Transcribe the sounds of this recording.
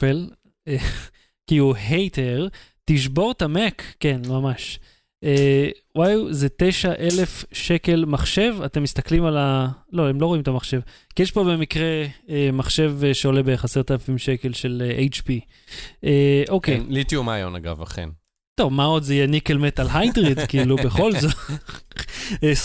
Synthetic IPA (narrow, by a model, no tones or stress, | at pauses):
el | e | kiuɦejt̪eʁ | tiʃbo̞ʁt̪amekːenmamaʃ | ʔe | wajzet̪e̞jʃaʔe̞le̞fʃe̞ke̞lmaχʃe̞vate̞mːist̪aklimalalo̞emlo̞ʁo̞imet̪amaχʃe̞v | kijeʃpo̞be̞mikʁe̞emaχʃe̞vʃeo̞le̞beχase̞ʁt̪alafimʃe̞ke̞lʃe̞leʔejt͡ʃpi | eʔo̞kejlit̪iumajo̰na̰ɡa̰va̰χḛn | t̪o̞vmao̞dzejenikelmet̪alɦajdʁidkiːlubeχo̞lzot | e